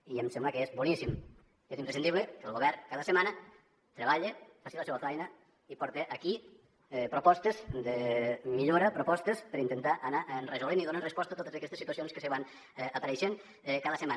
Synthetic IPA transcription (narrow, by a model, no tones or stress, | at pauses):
iemsɛmbləkezbunisim | ezimpɾesind̪iβlekəlˠɣoβɛrkaðəsəmana | t̪ɾeβaʎefasiləsɛβafɛjna | ipɔɾt̪eʔaki | pɾopɔst̪ezd̪əmiʎoɾapɾopɔst̪espəɾint̪ent̪aʔɐnaʔnrezoleniðonanrespɔst̪at̪ot̪əzakɛst̪esit̪uɐsionskəsəβan | apaɾejʃeŋ | kaðəsəman